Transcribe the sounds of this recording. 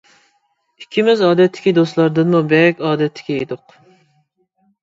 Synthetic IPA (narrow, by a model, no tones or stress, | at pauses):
ikʲʰːimɪzɑːd̪ɛt̪ʰːɪ̥kʲid̪oslˠɑɾd̪ɨnmubɛɾkʲɑːd̪ɛt̪ʰːɪ̥kʲʰɛed̪ʊq